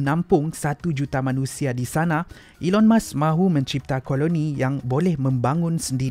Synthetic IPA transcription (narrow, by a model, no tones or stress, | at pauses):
nãmpʊŋsat̪ud͡ʒut̪amãnũsiadisanã | ʔilɔnmãsmãɦumə̃ɲt͡ʃip̚t̪akolonijaŋbolɛhmə̃mbaŋʊ̃nsəndi